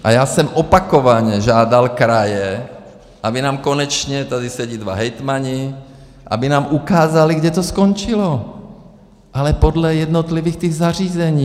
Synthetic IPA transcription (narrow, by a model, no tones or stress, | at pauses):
ʔajaːsɛmʔopakovaɲɛʒaːd̪alkɾajɛ | ʔabinaːmkonɛt͡ʃɲɛt̪ad̪isɛɟid̪va̰ɦɛjt̪maɲi | ʔa̰binaːmʔukaːzaliɡɟɛt̪oskont͡ʃilo | ʔalɛpod̪lɛjɛd̪not̪liviːxt̪iɣzar̝iːzɛɲiː